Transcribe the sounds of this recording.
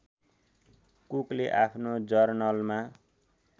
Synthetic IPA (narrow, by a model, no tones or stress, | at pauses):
kukleʔapʰnod͡zʌrnʌlma